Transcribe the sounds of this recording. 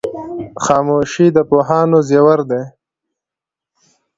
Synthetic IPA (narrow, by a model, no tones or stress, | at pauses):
xɑːmoːʃid̪əpoːɦɑːnozjewaɾd̪e